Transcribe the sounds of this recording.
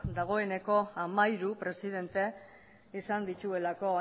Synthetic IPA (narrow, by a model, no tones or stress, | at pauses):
d̪aɣ̞o̞e̞ne̞ko̞amajɾupɾe̞sið̞e̞nt̪e̞ | isand̪it̪ue̞lako̞